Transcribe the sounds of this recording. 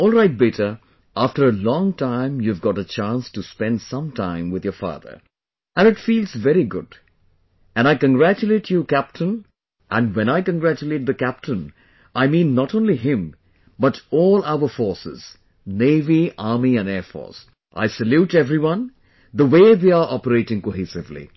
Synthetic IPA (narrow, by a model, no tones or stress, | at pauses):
ɔlˠɹaɪt̚bitə | ʔæftəɾəlɔ̃ŋtʰãɪ̃mjuvɡɑɾət͡ʃæ̃nstuspɛ̃ndsʌ̃mtʰãɪ̃mwɨðjəfɑ̰ːðə̰˞ | ʔæ̃nɨʈfiːlzvɛɾiɡʊ̰d | ɨ̃naɪkə̃nɡɹæt͡ʃuleɪt͡ʃʰjukæp̚tʰə̃n | ʔæ̃ndwɛ̃naɪkə̃nɡɾæt͡ʃuleɪt̚d̪əkæp̚tʰə̃n | aɪmĩːnːətõʊ̃nliɦɪ̃m | bʌtɔːlaʊə˞fɔɹsɪ̰z̥ | neɪviaɹmiæ̃nɛɹfɔ̰ɹs | ʔa̰ɪsəluʈɛvɾiwʌ̃n | ðəweːðeaʔɔpəɾeɪʈɪ̃ŋkoɦisɪvlḭ